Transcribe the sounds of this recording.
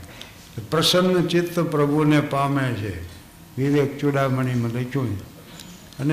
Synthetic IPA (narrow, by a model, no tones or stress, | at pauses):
pɾəsənːt͡ʃit̪ːəpɾəbʱunepamẽt͡ʃʰḛ | ʋiɾek̚t͡ʃoɽaməɳ̃imə̃ləkʰjũt͡ʃ | ən